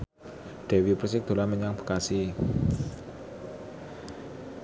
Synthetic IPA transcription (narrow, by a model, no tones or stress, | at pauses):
d̪̥e̤wiprsɪk̚d̪̥o̤laməɲaŋb̥ə̤̥kasi